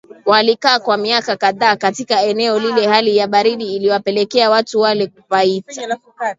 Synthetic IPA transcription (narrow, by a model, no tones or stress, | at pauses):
walikaːkwamiakakaðaːkatikaɛnɛɔlilɛhalijaɓaɾiɗiːliwapɛlɛkɛawatuwalɛkufaita